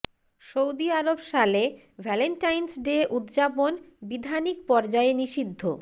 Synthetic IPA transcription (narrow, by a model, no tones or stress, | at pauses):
ʃowd̪iaɾobʃale | bʱɛlenʈajnsɖeʔut̪d͡ʑapon | bid̪ʱanikpɔɾd͡ʑaeniʃid̪ʱːo